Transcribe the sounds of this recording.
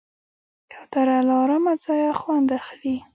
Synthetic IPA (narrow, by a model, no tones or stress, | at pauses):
jawd̪aɾalɑɾamad͡zɑjaxwand̪axli